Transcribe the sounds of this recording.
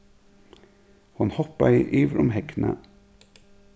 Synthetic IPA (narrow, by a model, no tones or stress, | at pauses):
hɑnhɔpɑiːʔiːʋɾʊmhɛknʔə